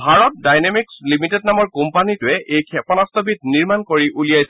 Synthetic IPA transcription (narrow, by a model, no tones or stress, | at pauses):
bʱaɹɔt̚dajnemikslimitɛdnamɔɹkumpanitʊɛʔejkʰɛpɔnastɔbit̚niɹmankoɹiʔulijajsɛ